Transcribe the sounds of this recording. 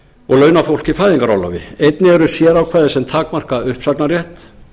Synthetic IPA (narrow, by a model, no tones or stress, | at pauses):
ɔɣlœːɥnafowl̥cifaːjðiŋkaɾawla̰vɪ̰ejt̪nɪɛɾʏsjɛɾawkʰvaːðɪsɛmt̪ʰaːkmar̥kaʏhpsaknarjɛht̪